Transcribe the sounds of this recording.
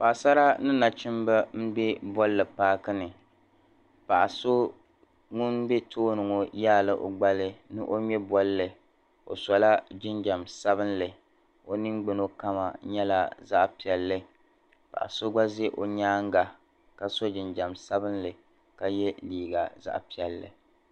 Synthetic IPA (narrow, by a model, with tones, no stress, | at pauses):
pa˨ʔa˨sa˦ɾa˦nɨ˦na˨t͡ʃɪ˦mba˦m̩˦bɛ˦bɔ˦llɨ˨paː˦kɨ˦nɨ˨ | pa˨ʔa˨so˦ | ŋʊ˦nbe˦tʰoː˦nɨ˨ŋo˨jaː˦˨lɨ˦ʔo̰˨ɡ͡ba˦lɨ˦nɨ˦ʔo˦ɲɛ˦bɔ˦llɨ˨ | o̰˨sɔ˨la˦d͡ʒɪ˦nd͡ʒa˨msa˦βɨ˦nlɨ˨ | o˦nɨ˦ŋɡ͡bɪ˨no˦ka˦ma̰˨ɲɛ˦la̰˦za˦ʔpi˨ɛ˨lːɨ˦ | pa̰˨ʔa̰˨so˦ɡ͡ba˦ze˦ʔo˦ɲaː˦ŋ˦ɡa˨ | ka˨so˦d͡ʒɪ˨nd͡ʒa˨msa˦bɨ˦nlɨ˨ | ka˨jɛ˦liː˨ɡa˨za̰˦ʔpi˨ɛ˨lːɨ̰˨